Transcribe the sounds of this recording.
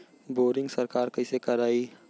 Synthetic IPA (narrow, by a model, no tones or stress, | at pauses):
boːɾɪ̃ŋɡsɐɾkaːɾkɐɪsekɐɾaːi